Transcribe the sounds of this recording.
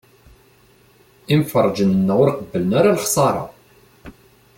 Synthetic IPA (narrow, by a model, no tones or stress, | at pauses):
ɪmfərˤːd͡ʒənənːæʊɾqəbːələnaɾalχsˤɑɾˤɑ̰